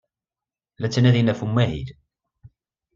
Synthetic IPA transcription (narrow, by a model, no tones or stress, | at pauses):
læt͡sːænæðinæfumːæɦḭd